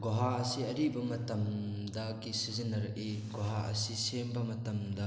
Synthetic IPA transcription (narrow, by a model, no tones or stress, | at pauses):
ɡoɦaɐsiɐɾibɐmɐtɐm | dɐɡisizinːɐɾɐʔeɡoɦaʔɐ̰sisembɐmɐtɐmdɐ